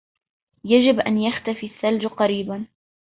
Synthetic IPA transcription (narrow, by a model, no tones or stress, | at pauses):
jad͡ʒɪbʔa̰njaxt̪afisːald͡ʒqɑɾiːban